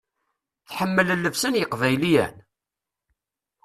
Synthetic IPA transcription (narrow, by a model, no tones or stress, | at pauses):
θħəmːəlælːəvsənjəqvæjlijæ̰n